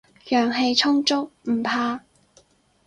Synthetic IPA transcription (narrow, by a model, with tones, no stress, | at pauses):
jœː˨˩ŋɦe˧jt͡ʃʰʊ˥ŋt͡ʃʊ˥k̚m̩˨˩pʰaː˧